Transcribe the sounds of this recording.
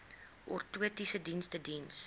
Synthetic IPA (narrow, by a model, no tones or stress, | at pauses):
ʔɔrtuətisədinstədins